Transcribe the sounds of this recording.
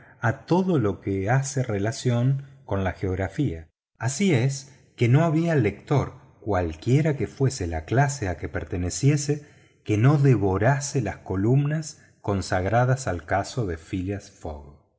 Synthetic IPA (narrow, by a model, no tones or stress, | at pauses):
at̪o̞ðo̞lo̞keaserelasjo̞ŋko̞nlaxeo̞ɣɾafia | asies | ke̞no̞aβiale̞k̚t̪o̞ɾ | kwalkje̞ɾake̞fwe̞selaklaseakepeɾt̪e̞nesje̞se | keno̞ðeβo̞ɾaselasko̞lumnas | ko̞nsaɣɾaðasalkaso̞ðe̞filjasfo̰ɣ